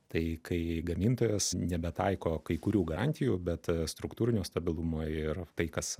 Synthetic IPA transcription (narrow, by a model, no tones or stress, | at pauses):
t̪ɐɪkɐɪɡɐmʲiːnt̪oːjɛsnʲɛbʲɛt̪ɐɪkoːkɐɪkʊɾʲuːɡɐɾɑnʲt̪ʲɪjuːbʲɛt̪st̪ɾʊkt̪uːɾʲɪnʲuːst̪ɐbʲɪlˠumoːɪrt̪ɐɪkɐs